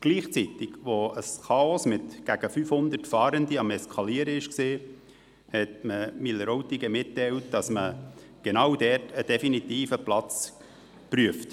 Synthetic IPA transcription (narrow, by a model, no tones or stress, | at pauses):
ɡ̥liːχt͡sit̪ɪɡʋoəsχɑɔsmɪtɡ̥æɡ̥əfyfhʊnd̪ərtfɑːɾəndiɑmɛskʰɑliəɾəɪʃksiː | hɛtməmiləɾɔwtiɡəmɪtːɛɪlt̚d̥ɑsmə | ɡ̥enɑwdɛrtəd̥ɛfinitiːfəplɑt͡s | pɾyəft